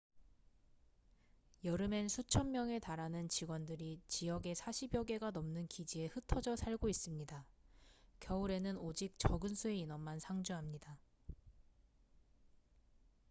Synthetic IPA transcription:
jʌɾɯme̞nsʰut͡ɕʰʌnmjʌŋe̞taɾanɯnt͡ɕiɡwʌndɯɾit͡ɕijʌɡe̞sʰaɕʰibjʌɡe̞ɡanʌmnɯnkid͡ʑie̞hɯtʰʌd͡ʑʌsʰaɭɡois͈ɯmɲida | kjʌuɾe̞nɯnod͡ʑik̚t͡ɕʌɡɯnsʰue̞inʌmmansʰaŋd͡ʑuɦamɲida

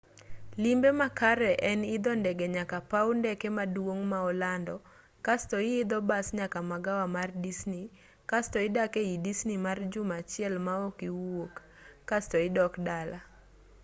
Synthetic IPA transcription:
limbemakaɾɛʔɛnɪd̪ɔndɛɡɛɲakapaʊndɛkɛmadwoŋmaɔlandɔ | kastɔɪɪd̪ɔbasɲakamaɡawamardisni | kastɔɪdakeidisnimard͡ʒʊmat͡ʃɪjɛlmaokiwokː | astɔɪdɔkdala

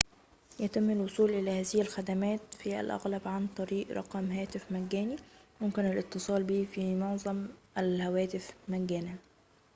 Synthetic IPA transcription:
jæt̪ɪmːɪlwosˤuːlʔɪlæːhæːzɪhɪlxæd̪æmæːt̪fiʔæ̰lʔɑ̰ɣlæbʕant̪ˤɑɾiːʔɾˤɑ̰qɑmɦæːt̪ɪfmæɡːæːnimʊmkɪnælʔɪt̪ːɨsˤɑːlbiːfimʊʕzˤɑmʔælhæwæːt̪ɪfmæɡːæːna

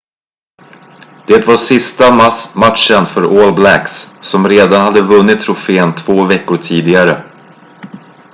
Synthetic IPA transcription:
d̪̥eːt̪vaʂɪst̪amamat̪ʂənfœɾoːlblækssɔmɾeːd̪anhad̪ːəvɵnːɪt̪ʰːɾʊfeːənt̪ʰv̥oːvɛkːʊʈʰiːd̪ɪɡaɾə

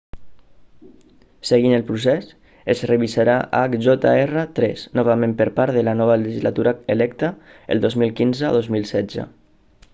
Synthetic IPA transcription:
seɣinəlˠpɾus̬ɛs | ezreβisaɾaʔakʒɔt̪a̰erət̪ɾɛ̰snɔβamẽmpəɾpaɾðəlanɔβaləʒizlat̪uɾaelɛkt̪ə | ḛlˠd̪ɔzmilˠkinzəa̰ðozmilˠsɛd͡zə̰

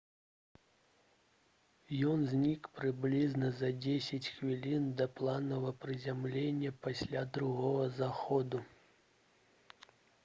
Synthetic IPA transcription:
jɔnzʲnʲikpɾɨblʲiznɐzɐd͡zʲesʲɐt͡sʲxvʲilʲind̪ɐplˠanɐvɐpɾɨzʲamlʲenʲːɐpasʲlʲad̪ɾuɣɔɣɐzaxɔd̪u

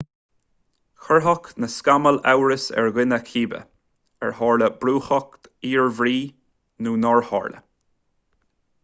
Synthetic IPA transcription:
xəɹɦɔknəskaməlɛ̰wɹəsɛ̰ɹɣɪnəkʰiːbə̰ | ɛɹhɑːɹləbɾuːxɔk̚t̪iːɹvɾiː | nuːnɔɹhɑ̰ːɹlə̰

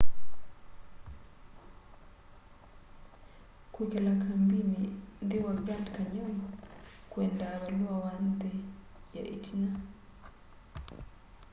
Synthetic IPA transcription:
kukelakambinind̪iwaɡɾantkaɲɔmɔ | kwendaβalwawand̪eja̰ʔḭtʰina

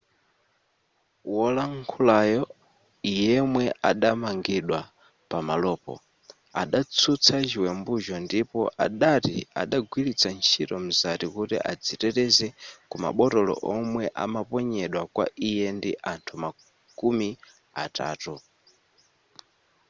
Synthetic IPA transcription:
wɔlaŋkʰulajɔ | ijɛmwɛʔaɗamaŋɡiɗwa | pamalɔːpɔ̰ | a̰ɗat͡sʰut͡sʰad͡ʒiwɛmbuʒɔndipɔʔa̰ɗatḭa̰ɗaɡwilit͡sʰant͡ʃʰitɔm̩zatikutḭʔad͡zitɛɾɛzɛkuma̰ɓɔtɔlɔ̰ʔɔmwɛʔa̰mapɔɲɛɗwakwa̰ʔijɛndiʔantʰuma | kumi | ata̰ːtu

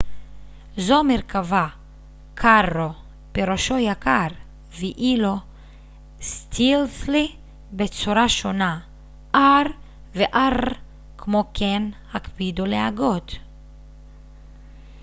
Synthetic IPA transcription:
zomeʁkava | kʰaʁːo | b̥eɾoʃojakaɾ | viʔilo | st̪ʰilsli | bet͡suɾaʃona | ʔaʁ | veʔaʁ | kʰmokʰenhakbid̪uleaɡot̪

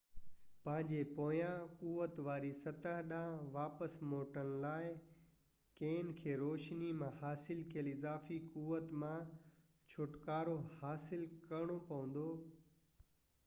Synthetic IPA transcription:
pɐ̃ɦɪ̃ɲd͡ʑepoːjãkuːʋət̪ʋaːɾisɐt̪əɦɗãːʋaːpəsmoːʈənlaːɪ | keːnɪ̆kʰeːɾoːʃnimãhaːsɪlkʰijəlɪzaːfikuːʋət̪mã | t͡ɕʰʊʈkaːɾohaːsɪlkɐɾɪɽ̃opɐʋə̃n̆d̪oː

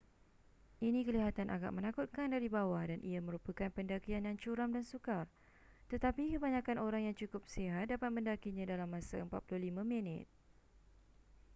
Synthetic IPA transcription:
ʔinĩkəliɦat̪anʔaɡa̰ʔmə̃nakʊt̪̚kandaɾibawadanʔiamə̃ɾupəkanpəndakianjaŋt͡ʃuɾamdansukar | t̪ət̪apikəbaɲãkanoɾaŋjaŋt͡ʃukʊp̚siɦat̪̚dapat̪̚mə̃ndakiɲãdalamːãsaəmpat̪̚puluhlimãminɪ̰t̪̚

